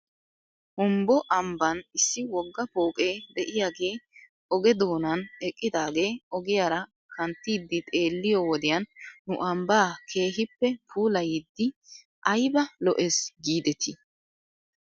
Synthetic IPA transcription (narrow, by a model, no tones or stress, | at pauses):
hʊmbɔʔɐmbɐnɪsːɪwɔɡːɐpo̞ːkʼeːd̪ɛʔɪjaːɡe̞ː | ɔɡɛd̪o̞ːnɐnɛkʼːɪd̪aːɡe̞ːɔɡɪjaːɾɐ | kʰɐnt̪ːiːd̪ːɪt̪ʼe̞ːlːɪjɔwɔd̪ɪjɐnːʊʔɐmbaːkʰe̞ːɦɪpːɛpʰuːlɐjɪd̪ːɪ | ʔɐjbɐlɔʔesɡiːd̪ɛt̪ʰi